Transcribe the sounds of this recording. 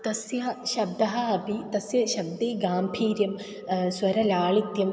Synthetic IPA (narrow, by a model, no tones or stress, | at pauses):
t̪ɐsjɐʃɐbd̪ɐɦɐɐpit̪ɐsjɐʃɐb̚d̪eːɡaːmpʰiːɾjɐm | swɐɾɐlaːɭit̪jɐm